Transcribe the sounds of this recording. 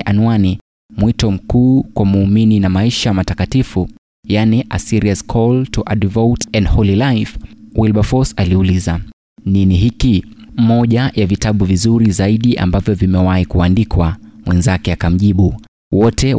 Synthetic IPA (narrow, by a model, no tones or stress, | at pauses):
ʔanuani | mwitɔm̩kuːkwamuːmininamaiʃamatakatifu | janiʔa̰siɾiaskʰɔltuʔadvowtɛndhɔlilajfwilɓafɔsaliuliza | niniɦikimɔʄajavitaɓuvizuɾizaiɗiʔa̰mbavjɔvimɛwahikuandikwamwɛnzakɛakam̩ʄiɓu | wɔtʰɛ